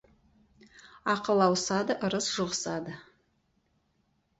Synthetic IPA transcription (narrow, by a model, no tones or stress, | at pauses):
ɑqəlˠɑwsɑd̪əʔʊɾəsʒ̥ʊʁəsɑd̪ə